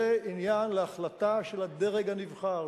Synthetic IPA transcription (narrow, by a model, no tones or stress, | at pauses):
einjanleaχlat̪aʃelad̪e̞ʁeɡanivχal